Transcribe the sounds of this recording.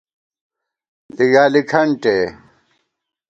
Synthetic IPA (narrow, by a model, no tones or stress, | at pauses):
liɡaːlikʰɐɳʈe